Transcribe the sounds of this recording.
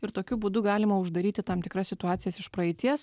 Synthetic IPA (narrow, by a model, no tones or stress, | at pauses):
ɪɾt̪oːkʲʊbuːd̪ʊɡɑːlʲɪmɐʊʒd̪ɐɾʲiːt̪ʲɪt̪ɑmt̪ʲɪkɾɐsʲsʲɪt̪ʊɑːt̪sʲɪjɛsɪʃpɾɐɪt̪ʲiɛs